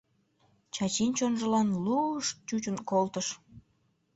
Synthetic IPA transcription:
t͡ɕɑt͡ɕint͡ɕonʒəlɑnluʃt͡ɕut͡ɕənkolt̪əʃ

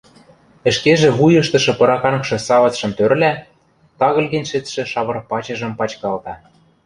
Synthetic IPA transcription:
ə̆ʃkeʒĕβujɤ̆ʃt̪ɤ̆ʃɤ̆pɤ̆ɾɑkɑnɤkʃɤ̆sɑvɑt͡sʃɤ̆mt̪ørlæ | t̪ɑɣɤ̆lɣĕnʲʃĕt̪ʃĕʃɑβɤ̆rpɑt͡ɕɤ̆ʒɤ̆mpɑt͡ɕkɑlt̪ɑ

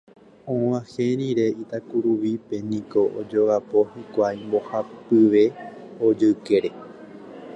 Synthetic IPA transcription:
õʋãhẽɾ̃ĩɾe̞it̪akuɾuʋipe̞nĩko̞ʔod͡ʒoʋapo̞hikʷajmbo̞hapɨʋe̞od͡ʒɨɨke̞ɾe̞

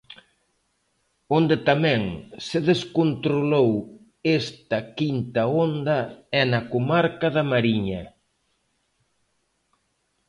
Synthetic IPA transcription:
ond̪et̪amɛ̃ŋseðeskont̪ɾolow | est̪ɐkint̪ɐond̪ɐɛnɐkomaɾkɐðɐmaɾiɲɐ

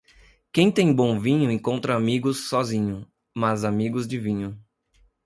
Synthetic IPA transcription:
kẽj̃t̪ẽj̃bõw̃vĩɲʊẽŋkõnt̪ɾɐamiɡʊsːɔzĩɲʊ | mɐzamiɡʊzd͡ʒɪvĩɲʊ

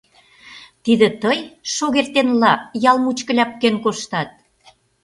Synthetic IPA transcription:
t̪id̪ĕt̪əjʃoɣert̪enlɑjɑlmut͡ɕkə̆lʲɑp̚kenkoʃt̪ɑt̪̚

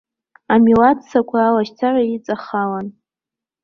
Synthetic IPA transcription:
amilatʰsakʷʰaːlaʃt͡sʰaʕʷait͡sʼaχalan

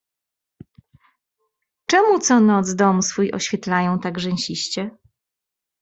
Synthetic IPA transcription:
t͡ʂɛmut̪sɔnɔd̪zd̪ɔmsfujʔɔ̰ɕfʲjɛt̪lajɔ̃w̃t̪aɡʐɛnɕiɕt͡ɕɛ

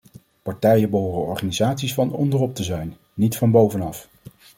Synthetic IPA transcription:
pɑɹtɛjənbəɦoːrənɔɹχaːnizaːtsisfɑnɔ̰ndərɔp̚təzɛjnː | itfɑnbowvənɑf

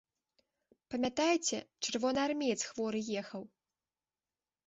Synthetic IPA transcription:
pɐmʲat̪ajt͡sʲɛt͡ʂɨrvɔnɨarmʲɛjt̪sxvɔɾɨjɛxɐw

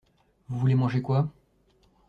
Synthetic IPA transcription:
vuvulemɑ̃ʒekwa

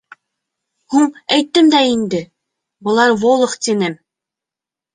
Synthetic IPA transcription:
huɴæjt̪ːɘmd̪æind̪ɘ | bɤ̆lˠɑɾvolˠɤ̆qt̪ʲinɘm

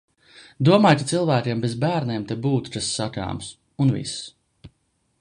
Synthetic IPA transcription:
d̪uɔmaːjkat̪silˠvæːkʲeɛmbezbæːɾnʲɛɛmt̪ebuːt̪u̥t̪asːaka̰ːms | unvḭs

